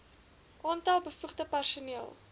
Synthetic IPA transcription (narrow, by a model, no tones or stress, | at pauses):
ʔɔntɐlˠbəfuχdəpærsuniəlˠ